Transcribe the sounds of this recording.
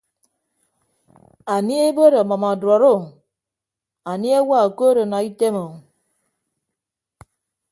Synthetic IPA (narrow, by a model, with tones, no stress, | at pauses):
a˨ni˦e˦bo˦ɾo˨mɔ˨ma˨dɔ˨ɾʊ˦˨ | a˨ni˦e˦wa˦˨ko˦ɾo˨na˨i˦te˦mo˨